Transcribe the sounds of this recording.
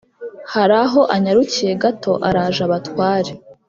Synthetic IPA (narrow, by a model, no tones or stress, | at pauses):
haɾaɦo̞ʔaɲaɾucije̞ɡato̞ʔaɾaːʒaβatwaːɾe